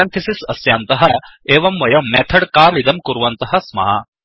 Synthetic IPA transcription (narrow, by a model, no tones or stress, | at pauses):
ɐnt̪ʰisisɐsjaːnt̪ɐɦɐeːʋɐmʋɐjɐmɛːt̪ʰɐɽkaːlid̪ɐmkuɾʋɐnt̪ɐɦɐ̆smɐ̰ːɐ